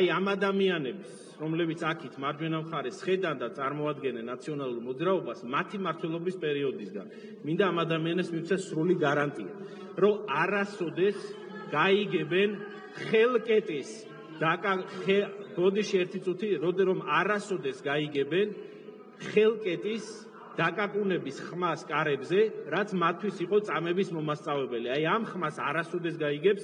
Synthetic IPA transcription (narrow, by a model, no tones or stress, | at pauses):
ajamad̪amianɛbs | ɾɔmlɛbit̪sʰakʰit̪ʰmaɾd͡ʒwɛnamχaɾɛsχɛd̪and̪at̪sʼaɾmɔad̪ɡɛnɛnːat̪sʰiɔnalˠuɾmɔd̪zɾaɔbasmat̪ʰimaɾt̪ʰwɛlˠɔbispʼɛɾiɔd̪isɡa̰n | mind̪aːmad̪amianɛbsmiwt̪sʰɛsɾuliɡaɾant̪ʼia̰ | ɾɔmaɾasɔd̪ɛs | ɡ̥aiɡɛbɛn | χɛlˠkʼɛt̪ʼis | d̪̥akʼaɛbɔd̪iʃiɛɾt̪ʰit̪sʼut̪ʰiɾɔɾɔmaɾasɔd̪ɛsɡaiɡɛbɛn | χɛlˠkʼɛt̪ʼis | d̪̥akʼakʼunɛbisχmaskʼaɾɛbzɛɾat̪sʰmat̪ʰːwisiqʼɔt̪sʼamɛbismɔmast̪sʼavɛbɛliajamχmasaɾasɔd̪ɛs̬ɡaiɡɛps